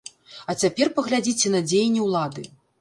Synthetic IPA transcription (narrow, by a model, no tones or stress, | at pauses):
ɐt͡sʲapʲɛrpɐɣlʲad͡zʲit͡sʲɛnɐd͡zʲejnʲːɛwlˠad̪ɨ̰